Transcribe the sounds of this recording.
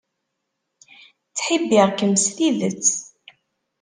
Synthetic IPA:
t͡sːħibːɪʁkəmsliðət͡sː

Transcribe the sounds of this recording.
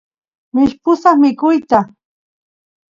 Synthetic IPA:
mɪʃpʊsaχmɪkʊjt̪a

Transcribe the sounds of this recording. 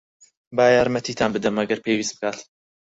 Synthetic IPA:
baːjaːɾmɐt̪iːt̪ʰaːnbɨd̪ɐmɐɡɐɾpʰewist̪bɨkaːt̪

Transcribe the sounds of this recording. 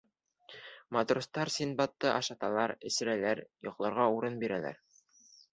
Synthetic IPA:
mɑt̪rust̪ɑɾsʲinbɑt̪ːɤʔɑʃɑt̪ɑlˠɑɾɘ̆sɘ̆ɾælæɾjŏqlˠɑɾʁɑuɾɤnbiɾælæ̰ɾ

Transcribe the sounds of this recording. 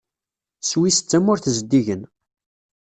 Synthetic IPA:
swisə̥t͡sːæmʊɾθzəd̪ːiʝən

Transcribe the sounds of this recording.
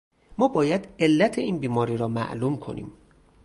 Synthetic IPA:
mɒːbɒːjæd̪e̞lːæt̪ʰeiːnbiːmɒːɾiːɾɒːmæ̰ʔluːmkʰo̞̰nʔḭːm

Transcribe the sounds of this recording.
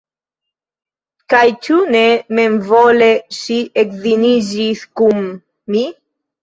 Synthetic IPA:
kajt͡ʃunememvolesiekðiniziθkumː | i

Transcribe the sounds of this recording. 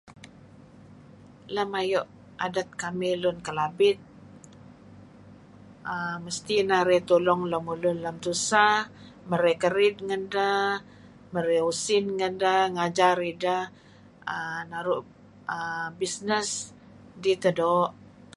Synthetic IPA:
ləmajɔʔ | adat̪̚kamɪlʊnkəlabɪt̪̚ | əməst̪inaɾɛt̪ulɔŋləmulʊnləmt̪usa | məɾekəɾɪd̪̚ŋənda | məɾɛusɪnŋəndaŋad͡ʒaɾida | ənaɾʊʔ | əbisnəs | dit̪ədɔʔ

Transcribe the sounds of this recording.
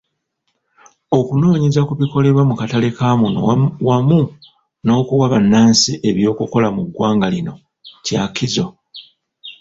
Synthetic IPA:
o̞kuno̞ːɲizakuβiko̞le̞βwamukatale̞kaːmono̰wamu | no̞ːkuwaβanːaːnsiʔe̞βjo̞ːkuko̞lamuɡwaːŋɡalino̞̰ | cakizo̞

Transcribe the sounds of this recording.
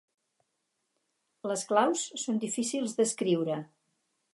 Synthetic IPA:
ləsklawsːond̪ifisilˠzd̪əskɾiwɾə

